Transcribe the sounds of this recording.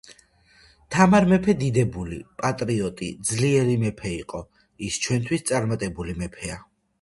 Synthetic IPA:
t̪ʰamaɾmɛpʰɛd̪id̪ɛbulḭpʼat̪ʼɾiɔt̪ʼḭd̪zliɛɾimɛpʰɛiqʼɔ | ist͡ʃʰwɛnt̪ʰwist̪sʼaɾmat̪ʼɛbulimɛpʰɛa

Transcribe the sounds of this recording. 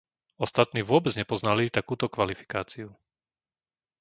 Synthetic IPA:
ɔst̪at̪niːʋʊɔbɛd͡zɲɛpɔznalit̪akuːt̪ɔkʋalifi̥kaːt͡siu

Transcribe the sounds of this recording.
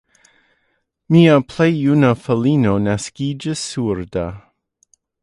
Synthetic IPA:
miːəpʰl̥ejjunəfəliːnonaskiːd͡ʒəsuɹda

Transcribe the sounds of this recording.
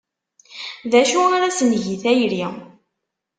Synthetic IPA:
ðæʃuaɾæsənʝiθæjɾi

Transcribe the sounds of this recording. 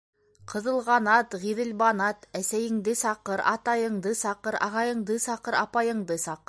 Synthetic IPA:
qʰɤ̆ðɤ̆lˠʁɑnɑt̪ʁiðɘ̆lbɑnɑt̪æsæjɘ̆ŋd̪ɘsɑqɤɾɑt̪ɑjɤ̆ɴd̪ɤsɑqɤɾɑ̰ʁɑjɤ̆ɴd̪ɤsɑqɤɾɑ̰pɑjɤ̆ɴd̪ɤsɑqɤɾ

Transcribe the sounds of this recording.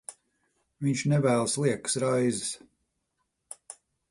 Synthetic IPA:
viɲʃnɛvæːlˠslˠiɛkɨ̥sɾajzɪs

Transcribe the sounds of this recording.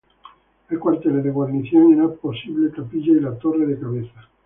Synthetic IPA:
elkwaɾt̪eleðeɣwaɾniθjoŋeɾapo̞siβlet̪apiʎailat̪o̞reðekaβeθa

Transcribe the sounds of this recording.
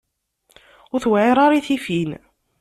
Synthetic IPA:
ʊɾθwʕeɾˤɑɾˤiθifin

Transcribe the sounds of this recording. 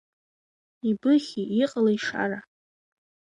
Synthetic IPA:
ibɨχʲiiqʼalaiʂa̰ra

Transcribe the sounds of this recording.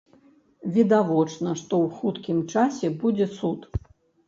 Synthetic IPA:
vʲid̪avɔt͡ʂnɐʂt̪ɔwxut̪kʲimt͡ʂasʲɛbud͡zʲɛsut̪

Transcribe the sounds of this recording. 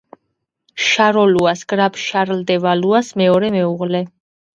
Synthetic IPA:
ʃaɾɔluasɡ̥ɾabʃaɾld̪ɛvaluasmɛɔɾɛmɛuʁlɛ

